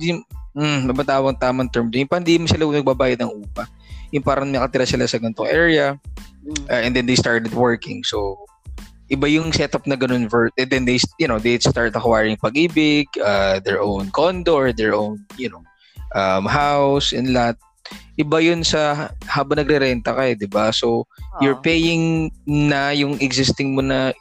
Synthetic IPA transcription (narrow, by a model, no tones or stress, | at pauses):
ɪd̪im̩mɐbɐnt̪aːwɐŋt̪aːmɐŋt̪ɛɹmd̪jʊnpɐhɪnd̪imɐsɪlaɡʊnɐɡ̚babaːjɐd̪nɐŋʔuːpɐ | jʊnpaːɾɐnmejnɐkɐt̪ɪɾasɪlasɐɡɐnt̪oŋʔɛɹɪɐ | ʔʔɛ̃nd̪ɛnd̪ejst̪aɹt̪ɛd̪wɛɹkɪ̰̃ŋso | ʔɪbajʊŋsɛt̪ɐp̚nɐɡɐno̞nvɛɹt̪̚ʔɛnd̪ɛnd̪ejjʊnod̪ejst̪aɹt̪̚ɐkwajɹɪŋpɐɡʔiːbɪɡad̪ɛɹʔownkond̪oʔɔɹd̪ɛɹʔownjʊno | ʔɐmɦawsʔɛnlat̪̚ | ʔɪbajʊnsɐhaːbɐŋnɐɡɾɛɾɛnt̪ɐkɐɛd̪ɪbasojʊɹpejɪŋnɐjʊŋɛɡzɪst̪ɪŋmonɐ